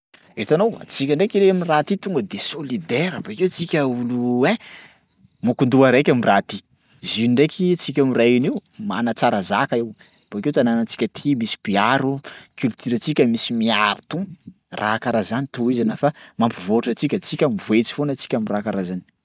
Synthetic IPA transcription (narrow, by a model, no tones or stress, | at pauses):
et̪anowa̰t͡sikʲəɳɖ͡ʐekiɾeaminirat̪it̪uŋɡəd̪esolid̪eɾəbaket͡sikʲəulue | mukund̪uaɾekʲamirat̪i | ziiɳɖ͡ʐekʰit͡sik̬ʲamirajiniwma̰nət͡saɾazakaew | b̥akewt̪ananət͡si̥kʲət̪ʰimisi̥piaɾukylt̪yɾət͡sikʲəmisimiaɾit̪uŋ | rʔa̰kaɾazanit̪uizanafamampivouʈ͡ʂət͡sikʲət͡sikʲəmivoet͡si̥fonət͡si̥kʲamirakaɾazani̥